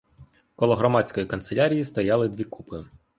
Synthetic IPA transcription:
kɔlˠɔɦɾɔmɑt͡sʲsʲkɔjikɐnt̪selʲaɾʲijist̪ɔjɑlˠɪd̪ʋʲikupɪ

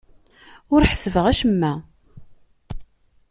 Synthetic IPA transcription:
ʊɾħəsəvəʁæʃəmːæ

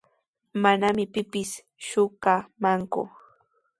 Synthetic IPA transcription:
manamɪpɪpɪs | ʃʊkamaŋkʊ̰

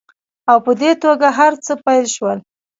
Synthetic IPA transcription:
awpəd̪et̪oɡaɦaɾt͡səpajlʃwəl

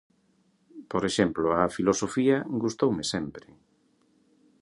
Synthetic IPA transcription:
poɾeʃɛmploafilosofiɐɡust̪owmɪsɛmpɾɪ

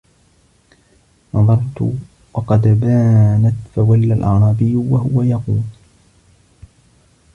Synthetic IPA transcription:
nɑðˤɑɾˤt̪ʊ̰ | wɑqɑd̪baːnat̪fawalːalʔɑʕɾˤɑːbɪjːʊwaɦʊwajɑquːl

